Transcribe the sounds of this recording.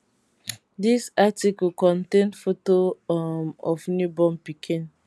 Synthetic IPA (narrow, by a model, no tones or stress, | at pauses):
disatikukɔ̃ntẽnfotomɔfnubɔ̃mpikʰĩn